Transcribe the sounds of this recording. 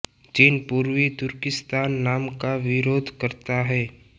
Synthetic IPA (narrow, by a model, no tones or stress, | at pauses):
d͡ʒinpuːɾʋit̪ʊɾkɪst̪aːnːaːmkaʋɪɾoːd̪ʱkəɾt̪aɦɛː